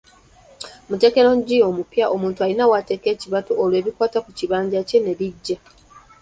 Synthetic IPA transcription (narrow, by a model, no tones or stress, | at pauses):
mute̞ːke̞ɾoɲɟio̞mupjaʔo̞muːntualinawate̞ːke̞ːciβatoolwe̞ːβikwaːtakuciβaːɲɟace̞ne̞βiɟːa